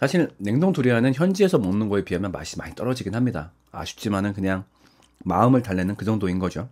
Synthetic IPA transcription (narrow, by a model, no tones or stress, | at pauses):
sʰaɕʰiɭne̞ŋdoŋtuɾiɦanɯnçjʌnd͡ʑie̞sʰʌmonːɯnɡʌepiɦamjʌnma̰ɕ͈ʰima̰ɲit͈ʌɾʌd͡ʑiɡinɦamɲida̰ | a̰ɕʰu̥k̚t͡ɕ͈imanɯnkɯɲaŋ | ma̰ɯmɯɭtaɭːe̞nɯnkɯd͡ʑʌŋdoinɡʌd͡ʑo